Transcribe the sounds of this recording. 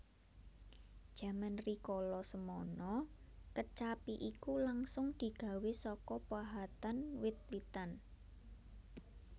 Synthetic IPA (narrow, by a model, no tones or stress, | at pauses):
d̥ʒ̥ä̤manrikɔlɔsəmɔnɔ | kət͡ʃapiʔikulaŋsʊŋd̪̥i̤ɡ̥ä̤wesɔkɔpwaɦat̪anwit̪̚lit̪an